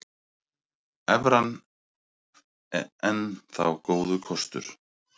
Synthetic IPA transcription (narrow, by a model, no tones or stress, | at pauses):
ɛvɾan | ɛnθa̰wkoːwðʏkʰɔst̪ʏ̰ɾ̥